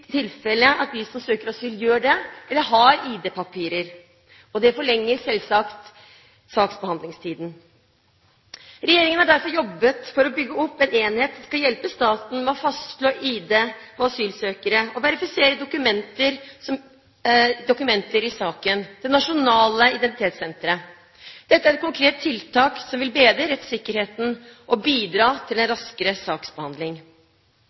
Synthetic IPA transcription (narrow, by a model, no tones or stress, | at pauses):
t̪ʰːɪlfɛləʔɑt̪̚d̪ɪsɔmsøːkəɾɑsyːljøːɖɛɛlːəɦɑɾiːd̪eːpɑpʰiːɾəɾ | ɔd̪ɛfɔɭɛŋːəɾsɛlsɑkt̪ | sɑːksbəhɑnd̪lɪŋst̪ʰiːd̪n̩ | ɾɛjeːɾɪŋənhɑɖæɾfɔɾjɔbːət̪fɔɾɔbʏɡːəɔpːɛneːnheːt̪sɔmskɑljɛlpəst̪ɑːt̪n̩mɛɔfɑst̪ʂloːʔiːd̪eɔɑsyːlsøːkəɾəɔʋɛɾɪfɪseːɾəd̪ʊkʉmɛnt̪əɾɔ | d̪ʊkʉmɛnt̪əɾɪsɑːkənd̪̥ɛnɑʂʊnɑːləɪd̪ɛnt̪ɪt̪ʰeːt̪sɛnt̪əɾə | d̪̥ɛt̪ːəæɾɛt̪kʊŋkʰɾeːt̪ʰːɪlt̪ɑːksɔmʋɪlbeːd̪ɾəɾɛt̪sɪkːəɾheːt̪n̩ʔɔbiːd̪ɾɑːt̪ʰɪlɛnɾɑskəɾəsɑːksbəhɑnd̪lɪŋ